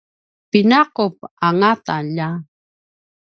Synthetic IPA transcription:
pɪnaqop̚aŋat̪aʎa

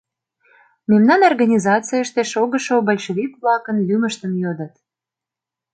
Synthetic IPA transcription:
memnɑnorɣɑnʲizɑt͡sijəʃt̪eʃoɣəʃobəlʲʃəβʲikβlɑkənlyməʃt̪əmjod̪ə̆t̪

